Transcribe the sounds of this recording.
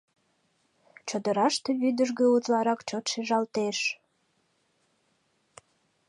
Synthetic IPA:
t͡ɕod̪əɾɑʃt̪eβyd̪əʒɣeut̪lɑɾɑkt͡ɕot̪ʃeʒɑlt̪eʃ

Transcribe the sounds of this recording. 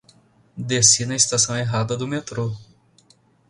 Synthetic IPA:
d̪esinɐist̪asɐ̃w̃eɦad̪ɐd̪ʊmet̪ɾo

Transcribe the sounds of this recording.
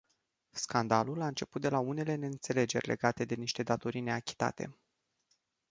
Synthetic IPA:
skand̪alulaɨnt͡ʃe̞put̪̚d̪e̞laune̞le̞ne̞ɨnt̪se̞le̞d͡ʒe̞̰rʲle̞ɡat̪e̞d̪e̞niʃt̪e̞d̪at̪o̞ɾine̞akʲi̥t̪a̰t̪e̞̰

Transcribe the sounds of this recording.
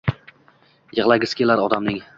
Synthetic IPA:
jɨʁlˠajɡʲɪskʲelaɾɒd̪amnɪŋ

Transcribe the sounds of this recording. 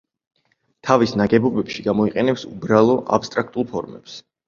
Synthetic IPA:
t̪ʰavisnaɡɛbɔbɛpʃiɡamɔiqʼɛnɛpsubɾalˠɔʔa̰pst̪ʼɾak̚ʰt̪ʼulˠpʰɔɾmɛ̰ps

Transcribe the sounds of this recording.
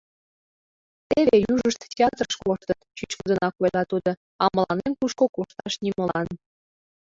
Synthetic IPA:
t̪eβejuʒəʃt̪tʲeɑt̪rəʃkoʃt̪ət̪t͡ɕyt͡ɕkəd̪ə̆nɑkolɑt̪ud̪o | ɑmə̆lɑnemkuʃkokoʃt̪ɑʃniməlɑn

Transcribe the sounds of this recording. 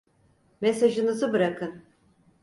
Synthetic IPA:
mesaʒɯnɯzɯbɯɾakʰɯn

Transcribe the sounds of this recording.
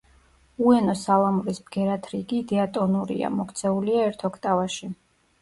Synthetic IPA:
uɛnɔsalˠamɾisbɡɛɾat̪ʰɾiɡid̪ɛat̪ʼɔnuɾḭa̰mɔkʰt̪sʰɛuliaɛɾt̪ʰɔkʰt̪ʼavaʃi

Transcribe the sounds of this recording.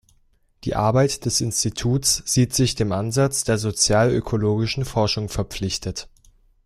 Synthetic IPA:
d̥ḭːʔa̰ɐbaɪtd̥ɛsʔɪnstitʰuːtsz̥iːtz̥ɪçd̥eːmʔanzat͡sd̥eːɐzot͡sjaːlø̰kʰoloːɡɪʃn̩fɔɐʃʊŋfɛɐp͡flɪçtʰət

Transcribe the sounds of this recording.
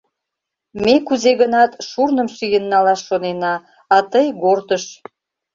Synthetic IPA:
mekuzeɣənɑt̪ʃurnəmʃyjənːɑlɑʃːonenɑ | ɑt̪əjɡort̪əʃ

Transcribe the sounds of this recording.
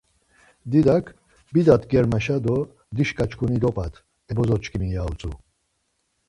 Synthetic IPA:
d̪id̪akʰ | bid̪at̪ɡɛɾmaʃad̪ɔ | d̪iʃkʼat͡ʃʰkʰunid̪ɔpʼat̪ʰ | ɛbɔzɔt͡ʃkʰʼimijaut͡sʼu

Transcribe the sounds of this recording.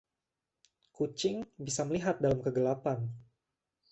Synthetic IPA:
kut͡ʃɪŋbisaməliɦat̪̚dalamkəɡəlapan

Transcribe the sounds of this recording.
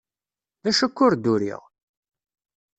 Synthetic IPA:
ðæʃækːʊɾd̪uɾḭʁ

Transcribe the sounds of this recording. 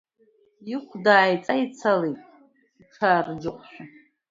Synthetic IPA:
jikʷʰdaːjt͡sʼait͡sʰaletʼ | iʈ͡ʂʰaːrd͡ʒɪqʷʰʼʃᶣa

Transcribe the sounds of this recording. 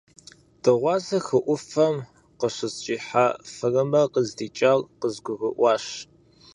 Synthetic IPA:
d̥ɨʁʷɑːzɐxɨʔʷʊfɐm | qəɕɨst͡ʃʼiːħafɨrɐmɐqəzdiːt͡ʃʼaːlqəzɡʷʊɣʷʊʔʷɑːʃ

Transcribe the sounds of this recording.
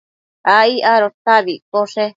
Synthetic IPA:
aiaɾot̪aβikoʂe

